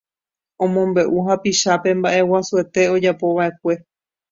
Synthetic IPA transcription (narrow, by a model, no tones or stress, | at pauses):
õmõmbe̞ʔuɦapiʃape̞mbaʔe̞wasue̞t̪e̞o̞d͡ʒapo̞βae̞k̚ʷe̞